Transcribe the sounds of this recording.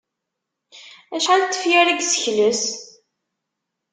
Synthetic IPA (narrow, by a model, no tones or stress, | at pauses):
æʃʕalt̪ːə̥fjæɾiɡsə̥çləs